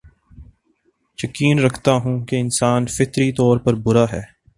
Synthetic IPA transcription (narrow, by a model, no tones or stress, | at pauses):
jɐkiːnɾɐkʰt̪aɦũkeɪnsaːnfɪt̪ɾit̪ɔːɾpɐɾbʊɾaɦɛː